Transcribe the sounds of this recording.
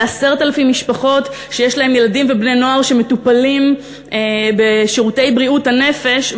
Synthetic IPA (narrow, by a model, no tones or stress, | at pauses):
aseʁtalafimːiʃpaχo̞t | ʃejeʃlaɦe̞mje̞ladimvebnejno̞aʁʃe̞me̞tupalim | beʃiʁutejbʁiuthane̞fe̞ʃ